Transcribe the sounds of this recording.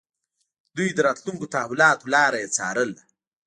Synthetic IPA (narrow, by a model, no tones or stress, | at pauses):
d̪ujd̪əɾɑːt̪luŋkot̪aɦawʊlɑːt̪olɑːɾajet͡sɑ̰ɾəla